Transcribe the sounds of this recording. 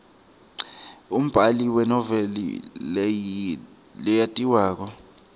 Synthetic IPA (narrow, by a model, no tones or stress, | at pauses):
um̩b̥ʱaliwɛnɔvɛlḭ | lɛjatʼiwaːk̬ɔ